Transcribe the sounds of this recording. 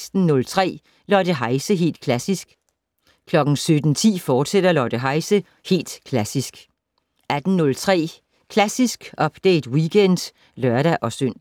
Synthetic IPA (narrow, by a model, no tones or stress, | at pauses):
sd̥n̩nɔ̽lt͡sʰʁɛ̰ː | lɒd̥əɦɑ̈ɪsəɦe̝̰ːld̥̚kʰlæsisɡ̥ | kʰlɒ̽ɡ̥n̩sød̥n̩t͡sʰḭːfɒːd̥sed̥ɐlɒd̥əɦɑ̈ɪsə | he̝̰ːld̥kʰlæsisɡ̥ | ʔæd̥n̩nɔ̽lt͡sʰʁɛ̰ː | kʰlæsisɡ̥ʔɒ̽b̥d̥eɪd̥wiɡ̥ʰen̰d̥ | lɶɐɾæʔɒ̽søn̰